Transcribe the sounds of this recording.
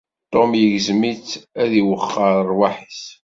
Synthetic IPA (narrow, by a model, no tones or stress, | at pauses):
t̪ˤːomjəʝzmit͡sːæðiwəχːəɾˤəɾˤwaħis